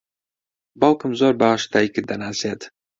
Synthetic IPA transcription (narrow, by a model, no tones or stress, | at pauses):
bɑlkɨmzoːɾbaaʃt̪aːikɨd̪ɐnaːseːt̪